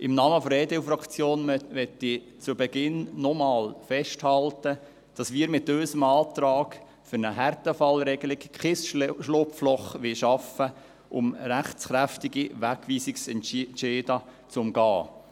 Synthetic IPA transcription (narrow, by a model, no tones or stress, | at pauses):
ʔɪmnɑːməfɾɛːdefrɑkt͡sjoːnʋɛtːi | t͡subɛɡɪnːɔmɑːlfɛʃthɑltə | d̥ɑsmiːɾmɪtøːsəmɑːt̪rɑːɡ | fʏɾnəɦærtəfɑlɾɛɡəlɪkχɪsʃlʊpflɔχʋɪʃɑfə | ʔʊmræχt͡sχɾæftiɡiʋækʋiːsɪksɛnʃeːdɑt͡sʊmɡɑː